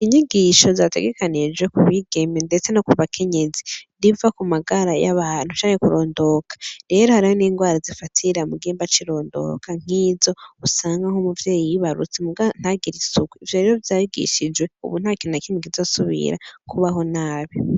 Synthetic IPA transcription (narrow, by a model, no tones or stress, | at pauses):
iɲiɡiʃo̞zate̞̰ɡe̞kanid͡ʒwe̞kuβiɡe̞mendet͡se̞nokuβakʰe̞ɲe̞ziɾivakumaɡaɾajaβaːn̥hut͡ʃaːŋe̞kuɾo̞ːndo̞kḁɾe̞ːɾohaɾihoniːŋɡwaːɾazifatʰiɾamuɡeːmbat͡ʃiɾo̞ːndo̞̰kʰaŋ̥iːzo̞usaːŋɡaho̞muvje̞ːjijiβaɾṵt͡semuɡan̥haɡiɾisuɡwuivjoɾeɾovjaːjiɡḭʃid͡ʒwe̞ṵβun̥hakinakinikizo̞ːsuβḭɾa̰kʰuβaɦo̞naːβi